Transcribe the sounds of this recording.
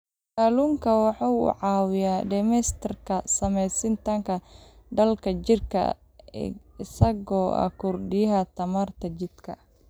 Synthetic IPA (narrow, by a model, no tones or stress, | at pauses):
kaːluːŋkʰɐwɑħɑwʊ̰ʕɑːwɪjaːɖɛmɛst̪ʰɐrkʰɐsɐmɛjsɪnt̪ʰɐŋkʰɐɖɐlkʰɐt͡ʃɪrkʰɐ̰ | ɪsɐɣɔːʔɐ̰kʰʊrɖɪjɐɦɐt̪ʰɐmaːrt̪ʰɐt͡ʃɪd̪̥kʰɐ